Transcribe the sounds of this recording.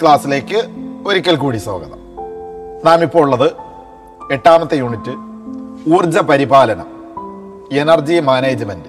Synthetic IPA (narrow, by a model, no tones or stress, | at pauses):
kɭaːsːile̞ːkːɨo̞ɾikʲːɐlk̬uːɽiso̞̰ːɡɐðɐ̰m | naːmipːo̞ːuɭːɐðɨ | e̞ʈːaːmɐt̪ːɨjuːɳitːɨ | uːrd͡ʑɐpɐɾibaːlɐnɐ̰ | enɐrd͡ʑimaːneːd͡ʑɨmɐndɨ